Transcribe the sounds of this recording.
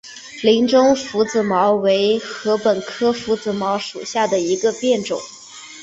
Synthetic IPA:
li˧˥ŋʈ͡ʂʊ˥ŋfu˧˥t͡sɹ̩˨˩mɑ˧˥ʊwe˧˥ɪxɤ˧˥pə˨˩nkʰɤ˥fu˧˥t͡sɹ̩˨˩mɑ˧˥ʊʂu˨˩ɕja˥˩d̪ə˩i˧˥ɡə˧pjɛ˥˩nʈ͡ʂʊ̰˨˩˦ŋ

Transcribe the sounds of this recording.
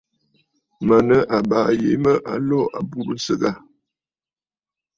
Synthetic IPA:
mə˨nə˦ʔa˨baː˨je˨˦mə˦ʔa̰˨lɔ˦˨a̰˨bu˦bn̩˦sə˦˨ɡa˦˨

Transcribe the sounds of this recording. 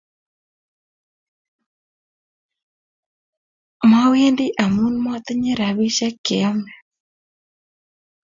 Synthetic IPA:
ma˦we˦ndi˦ʔa˨mu˦nma˦t̪e˦ɲe˦ɾa˨βi˦ʃɛ˦ke˨ɔ˦mɛ˨

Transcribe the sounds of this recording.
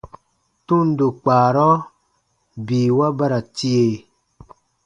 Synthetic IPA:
tu˦n˦do˨k͡paː˨ɾɔ˦ | biː˨wa˦ba˦ɾa˨ti˦e˨

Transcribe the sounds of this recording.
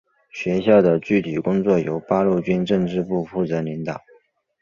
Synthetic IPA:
ɕɥɛ˧˥ɕjɑ˥˩ʊd̪ə˩t͡ɕy˥˩t̪ʰi˨˩kʊ˥ŋt͡swɔ˥˩jo˧˥ʊpa˥lu˥˩t͡ɕy˥nʈ͡ʂɤ˥˧ŋʈ͡ʂɻ̩˥˧pu˥˧fu˥˩t͡sɤ˧˥li˧˥ŋt̪ɑ˨˩˦

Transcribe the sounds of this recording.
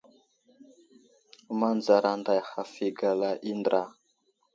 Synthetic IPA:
ma˦nd͡za˨ɾa˨nda˨jxa˨fi˨ɡa˨la˦ʔi˦ndɾa˨

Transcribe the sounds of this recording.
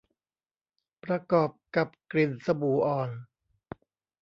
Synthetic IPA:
pɾa˧kɔː˨˩p̚ka˨˩p̚kɾi˨˩nsa˧buː˨˩˦ʔɔː˨˩n

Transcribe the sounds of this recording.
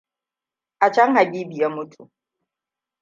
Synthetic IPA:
ʔa˨t͡ʃɐ˦ŋha˨ɡʲiː˦bi˨ja˦mʊ˦tʰu˨

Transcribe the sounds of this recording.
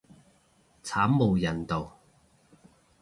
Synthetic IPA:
t͡sʰaː˨˥mːo˨˩wjɐ˨˩nt̪o˨w

